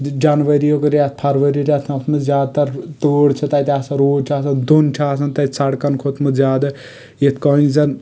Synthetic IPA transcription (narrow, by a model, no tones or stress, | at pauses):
d͡ʒanʋəɾijokɐɾʲjat̪̚ʰpʰɐɾʋɐɾiɾʲat̪ʰɐt̪mɨzjaːd̪̚t̪ɐɾt̪oːɽt͡ʃʰɐt̪ɐjt̪ʲaːsɐɾoːʈʰaːsɐnd̪unt͡ʃʰaːsɐnt̪ɐjsɐɽkɐnkʰot̪ʰmɨzjaːd̪ɐ | jet̪ʰkɔːĩzɐn